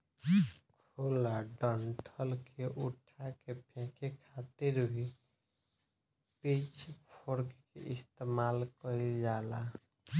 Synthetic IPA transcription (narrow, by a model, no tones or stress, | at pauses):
kʰolaɖəɳʈʰəlkʰeʔuʈʰakepʰɛ̃kʰekʰat̪iɾbʱi | pit͡ʃʰpʰoɾkkḛʔist̪emalkəjd͡ʒala